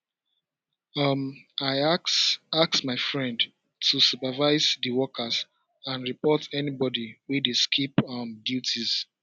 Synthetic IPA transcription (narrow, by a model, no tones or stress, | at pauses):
ʌmaɪsaksmaɪfɹɛ̃nd | tusupavaɪzðəwɔkʰaz | ãnɹipɔtʰɛnibɔdiwiðəskʰipʌmdjutʰiz̥